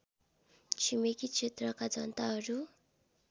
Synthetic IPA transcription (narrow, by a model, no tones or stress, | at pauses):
t͡sʰimekit͡sʰet̪rʌkad͡zʌnt̪aɦʌɾu